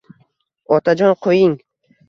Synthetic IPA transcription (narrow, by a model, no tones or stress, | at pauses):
ɒt̪ʰad͡ʒɒnqʰojɪŋ